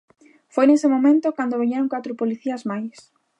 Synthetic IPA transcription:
fojnesɪmomẽnt̪ʊkand̪oβeɲeɾoŋkat̪ɾʊpoliθiɐzmajs

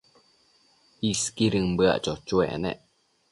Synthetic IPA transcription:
iskiɾɨŋbɨa̰ʔt͡ʃot͡ʃuḛʔnḛʔ

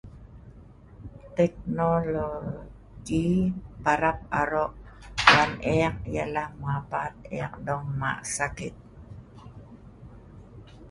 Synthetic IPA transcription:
t̪ɛk̚nolo | ɡipaɾap̚aɾɔʔ | wanʔɛk̚jalahmuapat̪̚ḛk̚dɔŋma̰ʔsakit̪̚

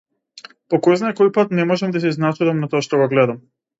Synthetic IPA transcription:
pɔkɔjznaɛkɔjpat̪nɛmɔʒɛmd̪as̬iznat͡ʃuvamnat̪ɔaʃt̪ɔɡɔɡlɛd̪am

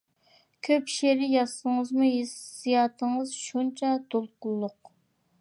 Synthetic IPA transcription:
kʲʰøpʃeɾɪjɑsəŋəzmuɦesijɑːt̪ʰəŋəzʃunt͡ʃʰɑt̪olˠqʊlˠːʊq

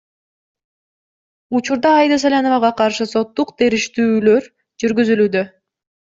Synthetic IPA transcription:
ut͡ʃuɾd̪ɑːjd̪ɑs̬alʲano̞vɑʁɑqʰɑɾʃɯso̞t̪ːuqt̪ʰe̞ɾiʃt̪yːlø̞ɾ | d͡ʒyɾɡyzylyːd̪ø̞

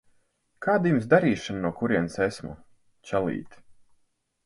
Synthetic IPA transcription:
kaːd̪jumsd̪aɾiːʃannuɔkuɾiɛnsesmṵ | t͡ʃɛlˠḭːt̪

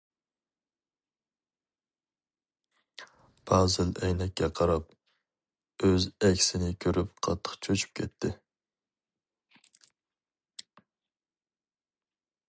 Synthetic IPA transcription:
b̥ɑːzɪlɛjnɛkʲːɛqʰɑɾɑp̚ | øzɛkʲʰsɪnɪkʲʰøɾyp̚qʰɑ̰t̪ʰːə̥qt͡ʃʰøt͡ʃʰy̥p̚kʲʰɛt̪ʰːɪ

